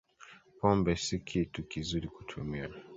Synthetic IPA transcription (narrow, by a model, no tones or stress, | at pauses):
pɔmbɛsikʰitukizuɾiku̥tʰumia